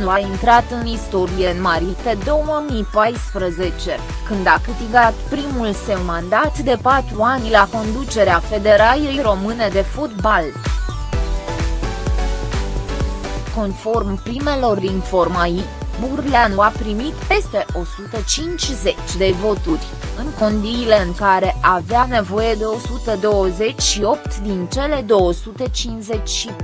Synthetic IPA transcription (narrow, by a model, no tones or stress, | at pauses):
nuaint̪ɾat̪ɨnist̪o̞ɾije̞ɨnmaɾit̪ed̪o̞wəmipajspɾəze̞t͡ʃe̞ | kɨnd̪akɨt̪iɡat̪pɾimulse̞wmand̪at̪d̪e̞pat̪ɾuanʲlako̞nd̪ut͡ʃe̞ɾeafe̞d̪e̞ɾajejɾo̞mɨne̞d̪e̞fot̪bal | ko̞nfo̞rmpɾime̞lo̞rinfo̞rmajiburlanuapɾimit̪pe̞st̪e̞ʔo̞sut̪ət͡ʃint͡ʃʲze̞t͡ʃʲd̪e̞vo̞t̪urʲ | ɨŋko̞nd̪iːle̞ɨŋkaɾe̞ʔaveane̞vo̞je̞d̪e̞o̞sut̪əd̪o̞wəze̞t͡ʃʲʃio̞pt̪d̪int͡ʃe̞le̞d̪o̞wəsut̪e̞t͡ʃinze̞t͡ʃʲʃi